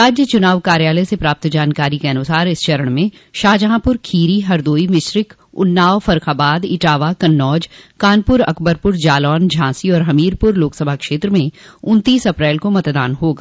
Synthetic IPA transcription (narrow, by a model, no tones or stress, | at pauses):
ɾaːd͡ʒjət͡ʃʊnaːʋkaːɾjaːləsepɾaːp̚t̪d͡ʒaːnkaːɾikeɐnʊsaːɾɪst͡ʃɐɾəɽ̃mẽ | ʃaːd͡ʒəɦãːpʊɾkʰiːɾiɦɐɾd̪oːimɪʃɾɪk | ʊ̰nːaːʋfɐɾkaːbaːd̪ɪʈaːʋakɐnːɔːd͡ʒkaːnpʊɾɐ̰kbəɾpʊɾd͡ʒaːlɔːnd͡ʒʱãːsiɔːɾɦɐmiːɾpʊɾloːksəbʱakʃeːt̪ɾəmẽʊ̃nt̪iːsɐpɾɛːlkomɐt̪d̪a̰ːnɦoːɡaː